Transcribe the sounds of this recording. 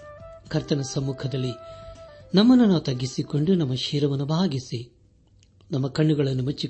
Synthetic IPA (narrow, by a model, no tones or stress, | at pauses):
kʰɐɾt̪ɐnɐsɐmːuːkʰɐd̪ɐlːi | nɐmːɐnːunoːt̪ɐɡːisiko̞ɳɖunɐmːɐʃiːɾɐʋɐnːubʱaːɡisi | nɐmːɐkɐɳːuɡɐɭɐnːumɐt͡ʃːi